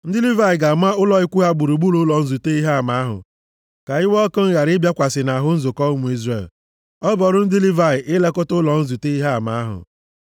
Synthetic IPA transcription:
n̩˦dɪ˦li˦va˦˨ɪ˨ɡa˨m˦a˦ʊ˦lɔ˨ɪ˦kʷu˦ɦa˦ɡ͡bu˨ɾu˨ɡ͡bu˦lʊ˦lɔ˨n̩˦zu˨te˦i˦ɦa˦a˨ma˨a˦ɦʊ̰˨ | ka˨ɪ˦wɔ˦kʊ˦n̩˦ɣa˨ɾɪ˦bja˦kʷa˨sɪ˨na˨ɦʊ˦n̩˦zʊ˨kɔ˦mu˨i˦zɾe˨l | ɔ˦bɔ˨ɾʊ˦n̩˦dɪ˦li˦va˦˨ɪ˨ʔɪ˦le˦kʊ˦tʊ˦lɔ˨n̩˦zu˨te˦i˦ɦa˦a˨ma˨˦a˦ɦʊ̰˨

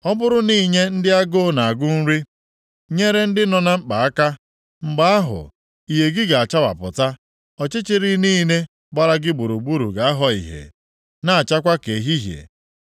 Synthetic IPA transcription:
ɔ˦bʊ˦ɾʊ˦niː˦ɲe˦n̩˦dɪ˦a˦ɡʊ˦na˨a˨ɡʊ˦n̩˦ɾi˦ | ɲe˦ɾe˦n̩˦dɪ˦nɔ˨na˦ŋ͡m̩˦k͡pa˨a˦ka˦ | ŋ͡m̩˨ɡ͡ba˦a˦ɦʊ̰˨ | i˨ɦe˨ɡɪ˦ɡa˨a˨t͡ʃa˦wa̰˨pʊ̰˨ta˦ | ɔ˨t͡ʃɪ˦t͡ʃɪ˦ɾi˦niː˦ne˦ | ɡ͡ba˦ɾa˦ɡɪ˦bu˨ɾu˨bu˦ɾu˨ɡa˨a˦ɦɔ˨ḭ˨ɦḛ˨ | na˦a˨t͡ʃa˦kʷa˦ke˨ɦi˦ɦjḛ˨

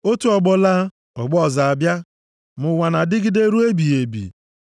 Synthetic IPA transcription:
o˦tu˦ɔ˨ɡ͡bɔ˦la˦ | ɔ˨ɡ͡bɔ˦˨za˨a˨bja˦ | mʊ˨wa˨na˨dɪ˦ɡɪ˦de˦ɾu˦e˦bi˨e˨bḭ˨

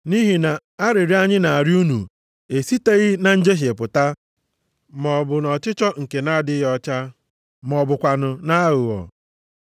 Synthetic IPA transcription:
ni˦ɦi˨na˨ | a˦ɾɪ˨ɾi˦a˦ɲɪ˦na˨a˨ɾɪ˦u˦nu˨ | e˨si˦te˦ɣɪ˦na˨n̩˦d͡ʒe˦ɦe˨pʊ˨ta˦ | mɔ˨bʊ˨nɔ˨t͡ʃɪ˦t͡ʃɔ˦ŋ̩˨ke˨na˦dɪ˦ɣɔ˦t͡ʃa˦ | mɔ˨bʊ˨kʷa˨nʊ˨na˦ɣʊ˨ɔ̰˨

